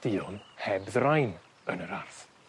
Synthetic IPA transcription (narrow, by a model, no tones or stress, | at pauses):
d̥ɪɔnhɛbðrajn | ənəɾarθ